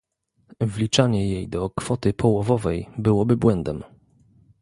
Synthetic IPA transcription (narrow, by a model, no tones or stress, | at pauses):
vlʲit͡ʂaɲɛjejd̪ɔkfɔt̪ɘpʰɔwɔvɔvɛjbɘwɔbɘbwɛnd̪ɛm